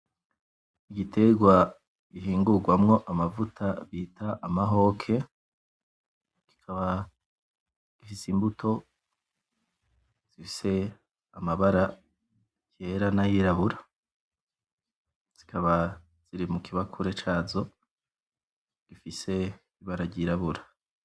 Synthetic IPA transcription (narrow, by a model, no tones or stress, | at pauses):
iɡitʰe̞ɡwa | ɡ̥iɦiːŋɡuɡwamŋo̞ʔamavutʰaβitaʔːmaɦo̞ːkʰe̞ | ki̥kʰaβa | ɡ̥ifisimbutʰo̞ | z̥ifi̥se̞ | amaβaɾa | je̞ɾanajiɾaβuɾa | z̥i̥kʰaβa | z̥iɾimukiβakʰuɾe̞t͡ʃaːzo̞ | ɡ̥ifise̞ | iβaɾaɾɟiɾaβuɾḁ